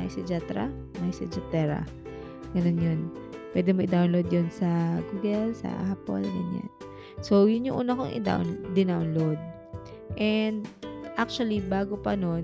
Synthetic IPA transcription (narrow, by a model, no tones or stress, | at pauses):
aʔɪsɛd͡ʒat̪ɾa̰ | maɪsɛd͡ʒɐt̪ɛɾa̰ | ɡ̥ɐno̞njon | pwɛ̰d̪ɛmoʔɪd̪awnlowd̪̚jonsɐɡuːɡɛlsɐ̰hapo̰lɡɐ̰nja̰n | so̞wjʊnɲʊŋʔuːnɐʔko̰ŋʔɪ̰d̪a̰wnd̪ɪnawnlowd̪̚ | ʔɛnd̪ʔak̚t͡ʃʊɐlibaːɡopɐno̞n